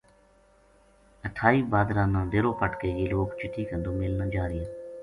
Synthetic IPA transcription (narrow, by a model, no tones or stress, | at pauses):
əʈʰaːiːbaːd̪ɾãːnãːɖ̪eːɾoːpəʈkeːjeːloːkt͡ʃɪʈʰːiːkənd̪õːmɪlnãːd͡ʒaːɾɪjãː